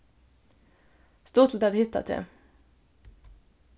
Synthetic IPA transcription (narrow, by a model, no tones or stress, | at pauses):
st̪uːʁt̪l̩t̪ɑd̪hɪt̪a̰t̪ʰḛ